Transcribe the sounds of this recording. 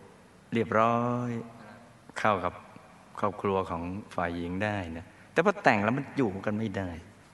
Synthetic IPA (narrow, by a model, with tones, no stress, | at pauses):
ɾi˥˩əp̚ɾɔː˦˥j | kʰa˥˩wka˨˩p̚ | kʰɔː˥˩p̚kʰɾu˧ɐkʰɔː˩˦ŋfaː˨˩jːi˨˦ŋdaː˥˩jna˦˥ | t̪ɛː˨˩pʰɔː˧˩t̪ɛ˨˩ŋlɛː˦˥wma˧njuː˨˩˦ka˧nma˥˩jdaː˥˩j